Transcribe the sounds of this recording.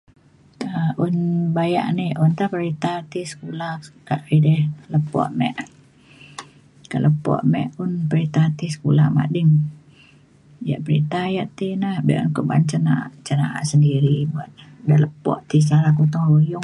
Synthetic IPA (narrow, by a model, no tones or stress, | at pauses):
əʔunbaja̰ʔniʔunt̪ahpəɾit̪at̪isə̥kulakaʔidɛhləpɔ̰ʔmɛ̰ʔ | kaʔlʔəpɔ̰ʔmɛʔʊnpəɾit̪at̪isə̥kulaʔma̰dɪŋ | ja̰ʔpəɾit̪ajaʔt̪inahbɛ̰ʔunkəʔba̰nt͡ʃənaʔt͡ʃənaʔa̰ʔsəndiɾibuat̪̚dələpɔ̰ʔt̪ist͡ʃalakut̪ɔŋlujʊ